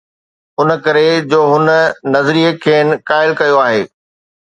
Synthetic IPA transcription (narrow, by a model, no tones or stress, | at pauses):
ʊnə̆kɐɾed͡ʑoːɦʊnə̆nɐzɾiːekʰeːnɪ̆kaːɪlkɐjoaːɦeː